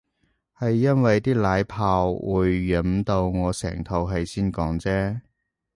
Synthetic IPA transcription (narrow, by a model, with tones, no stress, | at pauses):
hɐ˨jːɐ˥nwɐ˨jt̪iː˥laː˨˥jpʰaː˧wwuː˨˧jːɐ˨˥mt̪o˧wŋɔː˨˧sɛ̰ː˨˩ŋt̪ʰo˧wɦɐ˨jsiː˥nkɔː˨˥ŋt͡sɛː˥